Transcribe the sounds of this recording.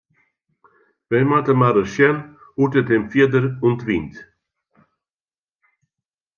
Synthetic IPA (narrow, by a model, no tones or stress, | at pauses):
vɛjmat̪əmaɾəʃjɛn | ut̪ət̪emfiəd̪əɾunt̪vint̪